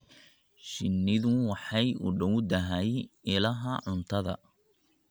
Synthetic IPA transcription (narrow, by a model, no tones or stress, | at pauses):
ʃɪnːɪðʊwɑħɑjʊ̰ɖɐwd̪ɐɦɐjɪlɐɦɐʕʊnt̪ʰɐðɐ̰